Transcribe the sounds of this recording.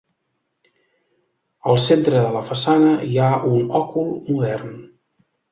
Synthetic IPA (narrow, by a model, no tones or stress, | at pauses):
əlˠsent̪ɾəðələfəsanəiaunɔkulˠmuðɛrn